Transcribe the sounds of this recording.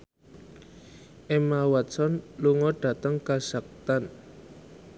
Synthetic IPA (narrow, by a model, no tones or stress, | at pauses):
ʔemawat̪sɔnluŋɔɖ̥ä̤t̪əŋkaz̥ak̚t̪an